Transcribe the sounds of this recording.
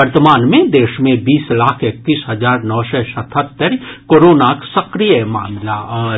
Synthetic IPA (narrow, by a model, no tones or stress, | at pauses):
əɾt̪əmaːnmẽd̪eːʃmẽbiːslaːkʰek̚t̪iːsɦɐzaːɾnɔːsɛsɐt̪ʰət̪ːəɾkoːɾoːnaksɐkɾijəma̰ːmlaɔː